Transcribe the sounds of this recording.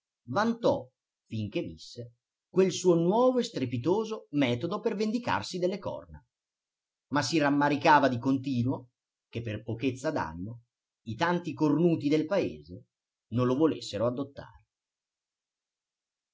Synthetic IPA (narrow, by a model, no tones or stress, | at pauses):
vant̪ɔ | fiŋk̟evisːe | kwelsuːonwɔːvoest̪ɾepit̪oːzomɛːt̪od̪opervend̪ika̰rsid̪elːekɔ̰rna̰ | masːiramːaɾikaːvad̪ikont̪iːnwo | kepːerpoket̪sːad̪a̰nːo | it̪ant̪ikornuːt̪id̪elpaḛːze | nõnlovolḛsːeɾoad̪ːot̪ːa̰ːɾe